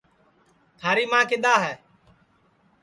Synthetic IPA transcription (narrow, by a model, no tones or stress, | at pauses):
t̪ʰaːɾiːmãːkɪɗ̪aːɦɛː